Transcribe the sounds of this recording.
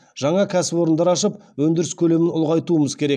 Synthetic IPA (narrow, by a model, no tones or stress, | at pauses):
ʒ̥ɑɴɑkʲʰæsɪpo̞ɾənd̪ɑɾɑʃəp | wɵnd̪ɪɾɪskʲʰɵle̞mɪnʊlˠʁɑjt̪uəməzkʲʰe̞ɾe̞k̚